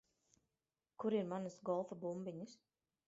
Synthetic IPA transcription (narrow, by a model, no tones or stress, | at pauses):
kuɾiɾmanɨsɡɔlˠfabumbiɲis